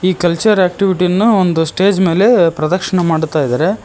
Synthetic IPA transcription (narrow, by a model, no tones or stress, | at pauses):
iːkɐlt͡ʃɐɾaːk̚ʈiʋiʈinːuond̪usʈe̞ːd͡ʒme̞ːle̞pɾɐd̪ɐkʂɐɳɐmaːɽut̪aːjid̪aɾe